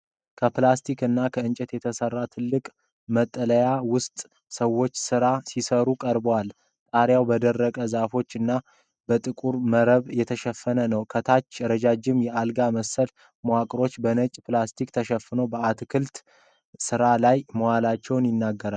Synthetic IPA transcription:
kʰəplast̪ʰikɨnːakʰəɨnt͡ʃʼɛt̪jɛt̪ʰəsərːat̪ʰɨlːɨkʼ | mət̪ʼːələjawʊst̪ʼ | səwːo̞t͡ʃːsɨɾasisəɾukʼəɾbwal | t̪ʼaɾjawbəd̪ərːəkʼəzafo̞t͡ʃːɨnːa | bət̪ʼɨkʼuɾməɾəβjɛt̪ʰəʃɛfːənənəwkʰət̪ʰat͡ʃːɾəd͡ʒad͡ʒɪmjɛʔalɡaməsəl | mwakʼɾo̞t͡ʃːbənət͡ʃʼplast̪ʰikt̪ʰəʃɛfːɨnowbəat̪kʰɨlt̪ | sɨɾalajməwalat͡ʃːɛwnjɪnːaɡːəɾal

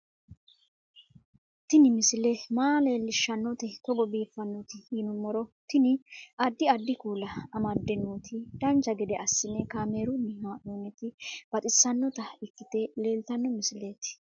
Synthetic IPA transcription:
t̪ɪnɪmɪsɪlɛmaːleːlːɪʃːɐnːɔt̪ɛt̪ɔɡɔbiːfːɐnːɔt̪ɪjɪnʊmːɔɾɔt̪ɪnɪɐd̪ːɪɐd̪ːɪkuːlɐːmɐd̪ːɛnːuːt̪ʰɪd̪̥ɐnd͡ʒɐɡɛd̪ɛʔɐsːɪnːɛkaːmeːɾʊnːɛmaːʔuːnːɛt̪ɪb̥ɐt̪ʼɪsːɐnːɔt̪ɐɪkːɪt̪ɛle̞ːlt̪ɐnːɔmɪsɪleːt̪ɪ̥

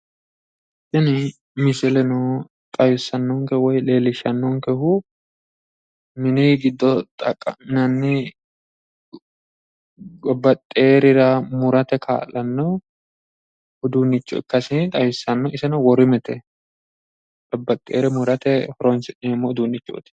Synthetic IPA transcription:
sɪnɪ | mɪsɪlɛnɔ | t̪ʼɐjʊsːɐnːɔŋkɛwɔjle̞ːlɪʃɐnːɔŋkɛhʊ | mɪnɪɡɪd̪ːɔt̪ʼɐkʼːɐnɐnːɪ | ɡɔbːɐt̪ʼːeːɾɪɾɐmʊɾɐt̪ɛkʰa̰ːlɐnːɔ | ʊd̪uːnːɪt͡ʃːɔ̰ɪ̰kːɐsɪt̪ʼɐjʊsːɐnːɔɪsɛnɔwɔɾɪmɛt̪ɛ | ᶑɔbːɐt̪ʼːḛːɾɛmʊɾɐt̪ɛhɔɾɔnsɪʔɪɪmːɔʊd̪uːnːɪt͡ʃːo̰t̪ɪ̥

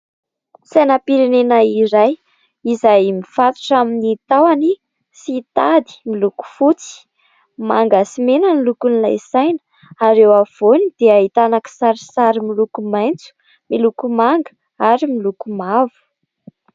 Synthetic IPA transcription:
sajnapiɾenenaiɾaj | izajmifat̪u̥ʈ͡ʂaminit̪awani | sit̪ad̪i̥miluku̥fut͡si̥ | maŋɡasimenənilukunilajsajnə̥ | aɾewav̥onid̪̥eaɦit̪anaki̥saɾisaɾimilukumajnt͡su̥ | milukumaŋɡə | aɾimilukumavu̥

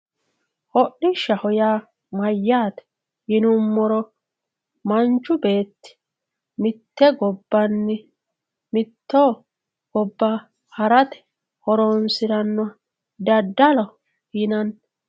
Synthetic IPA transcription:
hɔɗːɪʃɐhɔjaː | mɐjːaːt̪ɛ̥ | hɪnʊmːɔɾɔ | mɐnt͡ʃːʊbe̞ːt̪ːɪ̥ | mɪt̪ːɛɡɔbːɐnːɪ | mɪt̪ːoː | ɡ̥ɔbːɐ | hɐɾɐt̪ɛ̥ | hɔɾɔnsɪɾɐnːɔ | d̪ɐd̪ːɐlɔ | hɪnɐn

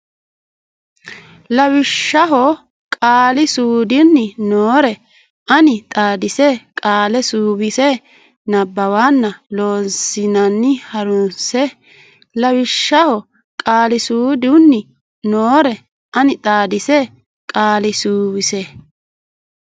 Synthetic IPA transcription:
lɐwɪʃːɐɦɔ | kʼaːlɪsuːd̪ɪnːɪnoːɾɛ | ʔɐnɪt̪ʼaːd̪ɪsɛkʼaːlɛsuːbɪsɛ | nɐbːɐwaːnːɐlo̞ːnsɪnɐnːɪhɐɾʊnsɛ | lɐwɪʃːɐhɔ | kʼaːlɪsuːd̪ʊnːɪ | noːɾɛ | ʔɐnɪt̪ʼaːd̪ɪsɛ | kʼaːlɪsuːbɪsɛ

